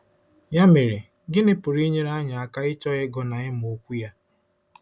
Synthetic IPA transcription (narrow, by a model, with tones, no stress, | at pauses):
ja˦me˨ɾɪ˨ | ɡɪ˦nɪ˦pʊ˨ɾi˦ɲe˦ɾa˦ɲa˨a˨ka˦ɪ˦t͡ʃɔ˦ɣɪ˦ɡɔ˦na˨ɪ˦m˨o˨kʷu˦ja˦